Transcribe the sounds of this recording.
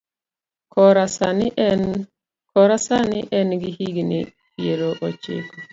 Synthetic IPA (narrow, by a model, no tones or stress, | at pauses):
kɔɾasan | kɔɾasanɪʔɛnɡiɦiɡnḭ | pieɾoʔɔt͡ʃḛko